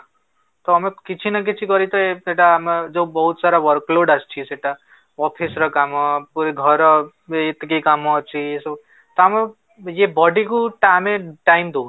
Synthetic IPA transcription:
t̪ɔːmẽkit͡ʃʰinak̬it͡ʃʰikɔɾit̪ɔeeʈamd͡ʒobɔɦut̪saɾaʋɔɾkloɖast͡ʃʰiseʈa | ɔpʰisɾɔkamɔpuɾeɡʱɔɾɔ | et̪ikekamɔt͡ʃʰiesɔ | t̪ɔame | jebɔɖikuʈameʈaimd̪õː

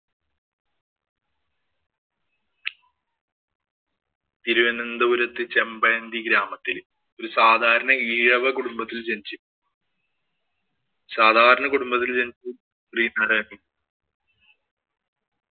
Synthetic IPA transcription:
t̪iɾuʋɐnɐnd̪ɐuɾɐt̪ːɨt͡ɕembɐɐnd̪iɡɾaːmɐt̪ːil | o̞ɾusaːd̪ʱaːɾɐnɐiːɻɐʋɐkuɽumbɐt̪ːilt͡ɕent͡ɕːɨ | saːd̪ʱaːɾɐnɐkuɽumbɐt̪ːilt͡ɕent͡ɕːu | riːnɐrɐːmi

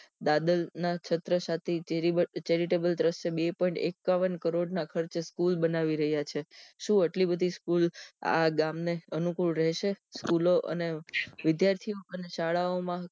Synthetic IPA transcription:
d̪ad̪əlnat͡ʃʰət̪ɾəsat̪ʰit͡ʃeɾibət͡ʃeɾiʈebəlt̪ɾəst͡ʃʰebepɔĩɳʈḛkːaʋənkəɾoɖnakʰəɾt͡ʃskulbənaʋiɾəɦjat͡ʃʰeʃũəʈlibəd̪ʱiskula̰ɡamneənukuɭɾɛɦʃeskuloʔə̰neʋɪd̪jaɾt̪ʰioənʃaɭaomã

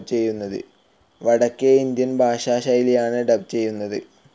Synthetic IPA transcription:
t͡ɕe̞jːunːɐðɨ̰ | ʋɐɽɐkːeind̪jɐnbʱaːɕaːɕaːjiljaːɳɨɖɐb̚t͡ɕe̞jːunːɐðɨ̰

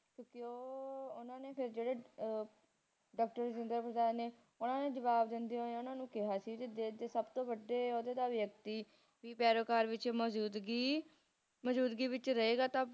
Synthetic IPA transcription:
kjõːkɪoːʊnãːneːpʰɪɾd͡ʒeːɽeː | ɖaːk̚ʈəɾd͡ʒɪ̃nd̪əɾpɾəd̪aːneː | ʊnãːneːd͡ʒəʋaːbd̪ɪnd̪eːɦoːeːʊnãːnũːkɪɦaːsiːt̪ed̪eːd̪eːsəbt̪õːʋəɖeːoːd̪eːd̪aːʋjəkt̪iː | ʋiːpɛːɾoːkaːɾʋɪt͡ʃmːd̪ɡi | məd͡ʒuːd̪ɡiːʋɪt͡ʃɾəeːɡaːt̪ãː

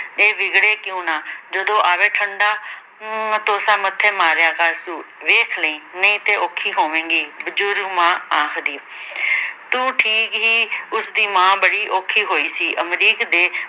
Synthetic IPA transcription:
eːʋɪɡɽeːkjũːnaːd͡ʒəd̪õːʔaːʋeːʈʰəɳɖaː | t̪oːsãːmət̪ʰːeːmaːɾjaːkəɾsuːʋeːkʰləĩːnəĩːt̪eːʔoːkʰːiːɦoːʋẽːŋɡiːbəd͡ʒʊɾɡmãːãːkʰd̪iː | t̪ũːʈʰiːkɦiːʊsd̪iːmãːbəɽiːʔoːkʰiːɦoːiːsiːʔəmɾiːkd̪eː

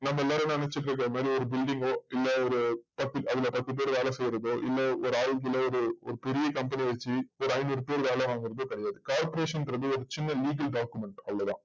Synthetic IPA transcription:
nɐmːɐɛlːaːɾenːɐnɐnɛt͡ʃːɯʈːɾɐkːɾɐɐmaːd̪ɾiɔɾɯbɪlɖɪŋɡoːɪlːɐɔɾɯpɐt̪ːɪɐðɪlɐpɐt̪ːɯp̬eːɾʋaːlɐ̃sɛjɪɾɐðoːʔɪ̰lːɐɔɾɯaːɻɡɪlɐɔɾɯɔ̰ɾɯpɛɾɪjɐkɐmpɐniʋɛt͡ʃːiɔɾɯɐɪnuːɽɯpeːɾʋaːlɐ̃aːŋɡɪɾɐðoːkɪɽɛjaːðɯkaːɾpɔɾeːʂɐntɾɐðɯɔɾɯt͡ʃɪnːɐliːɡɐlɖaːkjʊmɛɳʈɐlːɐðã̰ː

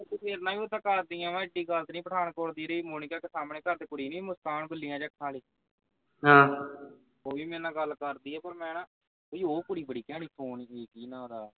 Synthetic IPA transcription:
t̪uːpeːɾnãːʋiːoːt̪ãːkəɾd̪ijãːʋãːɪɖiːɡəlt̪nĩːpəʈaːnkoɾd̪iːɾeiːmoːnɪkaːkesaːmɳeːkəɾd̪eːkʊɽiːnĩːmʊst̪aːɳbəlːiːãːd͡ʒəkʰːãːliː | ɦãː | oːʋiːmɛ̃ːnãːɡəlːkəɾd̪iːɛːpəɾmɛ̃ːnãː | oːioːkʊɽiːbəɽiːkɛ̃ːɽ̃iːpʰoːneːkiːnãːd̪aː

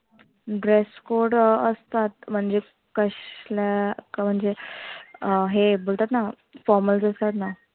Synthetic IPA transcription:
ɖɾeskoɾɖəst̪at̪̚m̤əɳd͡ʑe | kəɕlakam̤əɳd͡ze | ɦebolt̪at̪na | fɔɾməld͡zəst̪at̪na

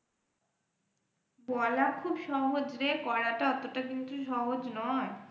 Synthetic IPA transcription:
bɔlakʰubʃɔɦod͡ʑɾekɔɾaʈaɔt̪ːoʈakint̪uʃɔɦod͡ʑnɔe

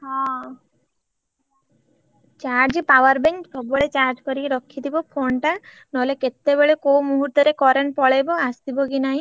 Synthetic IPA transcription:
hɔ̃ | t͡ʃaɾʈd͡ʒipawaɾbeŋksɔbɔɭet͡ʃaɾd͡ʒkɔɾieɾɔkʰːid̪ibɔpʰonʈa | nɔleket̪ːebeɭekowmuɦuɾt̪ɔɾekɔɾenpɔɭejbɔast̪ibɔɡinaɦĩ

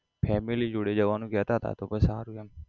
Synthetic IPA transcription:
pʰɛːmɪlid͡ʒʊɽeːd͡ʒəʋaːnũːkɛːt̪aːt̪ʰa̰ːt̪oːpəsaːɾuːɛm

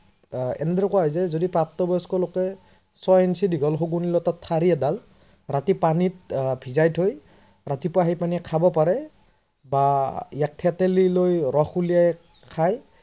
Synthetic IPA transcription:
ɛ̰nɛdɾɔkwaɦɔjzɛzodipɹaptɔbɔskɔlɔkɛ | sɔjɛnsidʱiɡɔlɦoɡunilɔtatʰːaɹiɛdal | ɹatipanit̚bʱizajtʰoj | ɹatipʊaɦijpaniɛkʰabɔpaɹɛ | bajak̚tʰɛtɛlilojɹɔxulijaj | kʰaj

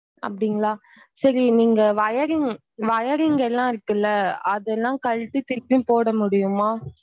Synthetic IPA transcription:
ɐ̰pːɐɽɪŋɡɐɭaː | sɐɾiniːŋɡɐʋɐjɐɾɪ | ʋɐjɐɾɪŋɡɐɛlːãːɪɾɯkːɐlːɐɐðɛlːãːkɐɻt̪ːit̪ɪɾpːipoːɽɐmʊɽɪjɯmaː

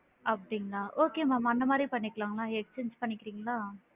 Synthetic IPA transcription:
ɐpɐɽiŋɡɐɭaːʔoːkeːmaːmɐnd̪ɐmaːd̪ɾipɐɳːɪkːɐlaːŋɡɐlaːɛkt͡ʃeːɲd͡ʒpɐɳːɪkːɪɾiːŋɡɐlaː

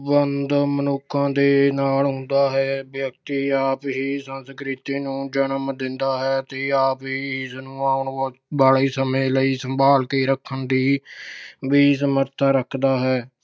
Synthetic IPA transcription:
bənd̪mənʊkʰːãːd̪eːnaːlɦʊ̃nd̪aːɦɛːbjək̚t̪iːaːpɦiːsənskɾɪt̪iːnũːd͡ʒənəmd̪ɪnd̪aːɦɛːt̪eːaːpɦiːiːsnũːaːʊɳbaːliːsəmẽːləiːsəmbʱaːlkiːɾəkʰːənd̪iː | biːsəməɾt̪ʰaːɾəkʰd̪aːɦɛː

